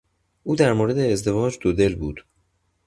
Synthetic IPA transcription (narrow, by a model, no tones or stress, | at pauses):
ʔuːd̪æɾmoːɾe̞d̪eːzd̪e̞vɒːd͡ʒd̪od̪e̞lbṵːd̪̥